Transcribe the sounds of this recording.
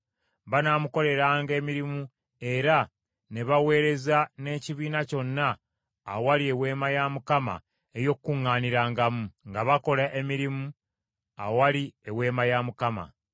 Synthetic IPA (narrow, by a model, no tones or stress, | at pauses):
βanaːmuko̞le̞ɾaːŋɡe̞ːmiɾimu | e̞ɾa | ne̞βawe̞ːɾe̞zane̞ːciβiːnaco̞nːaː | waliewe̞ːmajamukama̰ | ejo̞kkːuŋːaːniɾaːŋɡamuŋɡaβako̞laʔe̞miɾimu | a̰waliewe̞ːmajamukama̰